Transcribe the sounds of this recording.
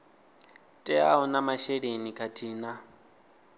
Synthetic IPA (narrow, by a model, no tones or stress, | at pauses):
tʼɛa̰ɦɔnamaʃɛɺenikʰʼatʰʼiːna